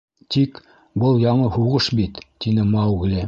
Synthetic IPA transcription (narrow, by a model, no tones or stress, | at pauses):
t̪ik | bɤlˠjɑɴɤhuʁɤʃbit̪ːinɘmɑwɣlʲi